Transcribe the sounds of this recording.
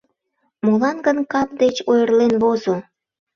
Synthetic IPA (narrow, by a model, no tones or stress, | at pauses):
molɑnɡənkɑp̚d̪et͡ɕojərlenβozo